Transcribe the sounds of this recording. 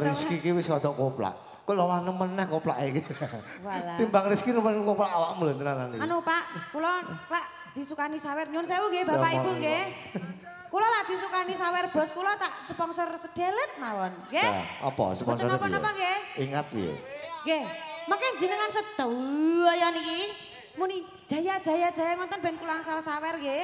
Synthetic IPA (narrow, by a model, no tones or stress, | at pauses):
riskikiwɪsɔd̪̥ɔʔkopla̰ʔ | kololahnəmənːɛhkopla̰ʔeki | walat̪imbaŋriskinumənkoplaʔawaʔmulənt̪ənanananupaʔkulɔlaʔ | d̪̥i̤sukanisawɛrɲʊnsawuŋɡebapaʔibuɡe | kulɔlaʔd̪̥i̤sukanisawɛrb̥ɔ̤skulɔt̪aʔsəpɔŋsɔrsəd̪̥elət̪̚mawɔnɡeja̰ɔ̰pɔ̰səpɔ̰ŋtəɔnpɔnɔpɔŋɡeiŋat̪̚jo̰ɡemakɛŋd͡ʒi̤nəŋansəd̪̥ɔɔjɔniki | muni̥ʒ̥a̤jḁd͡ʒ̥a̤jad̥d͡ʒ̥a̤jaŋɔnt̪ɔnb̥ɛnkulaŋsalasawɛrɡe